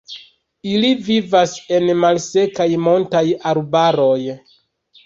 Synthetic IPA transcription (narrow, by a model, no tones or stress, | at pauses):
ilivivase̞nmalse̞kajmo̞ntajaɾbaɾo̞j